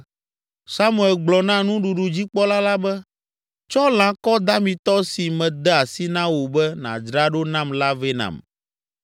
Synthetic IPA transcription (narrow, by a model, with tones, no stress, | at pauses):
sa˦mũ˦˨ɛ˨lɡ͡blɔ˨nã˦nũ˦ɖu˨ɖu˨d͡ʑi˦k͡pɔ˦la˦la˦bɛ˦ | t͡ʃɔ˦lã˨kɔ˦d̪a˦mĩ˨t̪ɔ˦si˨mɛ̃˨d̪ɛ˦a˨si˦nã˦wo˨bɛ˦nã̰˨d͡ʒɾa˦ɖo˦nã˦mla˦ve˦nã̰˨m